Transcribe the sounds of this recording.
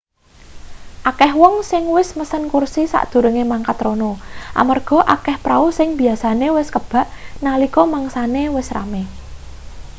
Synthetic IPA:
ʔakɛhwɔŋsɪŋwɪsməsənkursisa̰ʔd̪̥ṳɾəŋemaŋkat̪ronɔʔa̰marɡ̥ɔ̤ʔakɛhpɾausɪŋb̥iasanewɪskəb̥a̤ʔnalikɔmaŋsanewɪsra̰me

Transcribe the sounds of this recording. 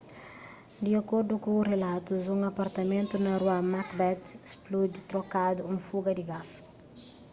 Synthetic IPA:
d̪iɐkoɾd̪ukõrelat̪uzũŋɐpɐɾt̪ɐmẽnt̪unɐɾwamakbɛt̪splud̪it̪ɾokad̪uũfuɡɐd̪iɡas

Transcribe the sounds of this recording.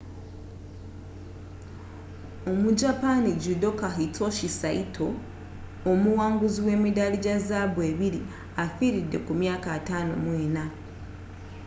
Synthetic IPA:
omuɟapaniɟudo̞kaɦito̞ʃisaitʰo̞ː | muwaːŋɡuziwe̞ːmidaliɟazaβwe̞ːβiɾi | afiɾidːe̞̰kumjaːkatano̞̰mweːna

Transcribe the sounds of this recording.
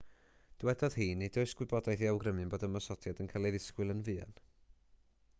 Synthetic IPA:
d̥wɛdɔð̥hiːnidoɨsɡ̥wɪbɔdajθiawɡrəmɨnboːdəmɔsɔtʰjadənkʰalˠeðɪskwɪlˠənvɨːa̰n

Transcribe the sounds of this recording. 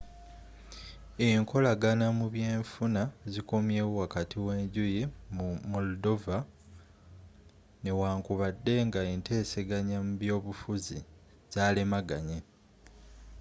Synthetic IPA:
eŋkʰo̞laɡanamuβje̞ːɱfunazikomjeːwwakatʰiwe̞ːɲɟujimumoldo̞va | ne̞waːŋkuβadːe̞ŋɡaente̞ːseɡaɲamuβjo̞ːβufuzi | z̥aːlemaɡaɲe

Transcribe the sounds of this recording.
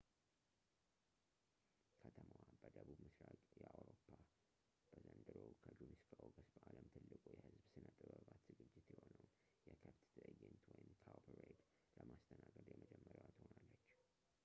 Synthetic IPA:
kʰət̪ʰəməwabəd̪əβubmɨsɾakʼjɛʔawɾopʰːa | b̥əzənd̪ɨɾowkʰəd͡ʒunɨskʰəʔoɡəsbəʔaləmt̪ʰɨlːɨkʼujɛhɨzbsɨnət̪ʼɨbəβat̪z̥ɨɡɨd͡ʒːɪt̪jɪho̞nəw | jɛkʰəft̪t̪ʰɨʔɨjːɛnt̪wɔjɪmkʰawpʰɾed̪ | ləmast̪ʰənaɡəd̪jɛməd͡ʒɛmːəɾwat̪honalːət͡ʃː

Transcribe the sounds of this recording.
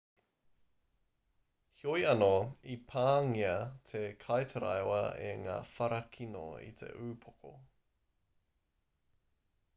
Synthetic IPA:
hjojɐnoipʰaːŋiɐtʰekʰɐjtʰɐɾɐ̰jwɐḛŋa̰ːfɐɾɐkʰino̰ḭtʰe̞̰ʔʉːpʰoko̰

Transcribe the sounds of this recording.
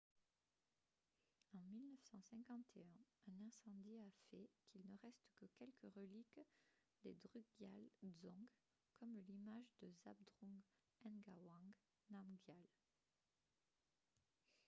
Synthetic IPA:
ɑ̃milnəfsɑ̃sɛ̃kɑ̃t̪ʰeɛ̃ɛ̃nɛ̃sɑ̃d̪iafɛkʰilnəʁɛst̪kəkʲɛlkəʁəlik | d̪ed̪ʁyɡjalzɔ̃ɡ | kɔmlimaʒd̪əza̰b̚d̪ʁɔ̃ɡ | ɛ̃nɡawɑ̃ɡ | namɡjal

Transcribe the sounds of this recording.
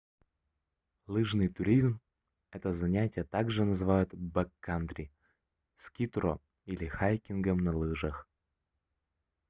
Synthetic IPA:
lˠɨʐnɨjt̪ʊɾʲizm | ɛt̪əzɐnʲætʲɪjət̪aɡʐɨnəzɨvajʊt̪bɛkːant̪ɾʲɪ | skʲit̪ro̰ | ilʲɪxajkʲɪnɡəmnɐlˠɨʐəx

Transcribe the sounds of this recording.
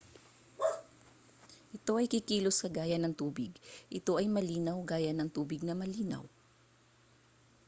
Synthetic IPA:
ʔɪt̪o̞ʔɐjkɪkiːloskɐɡaːjɐnɐŋt̪uːbɪɡʔɪt̪o̞ʔɐjmɐliːnɐwɡaːjɐnɐŋt̪uːbɪɡ̚nɐmɐliːnɐ̰w

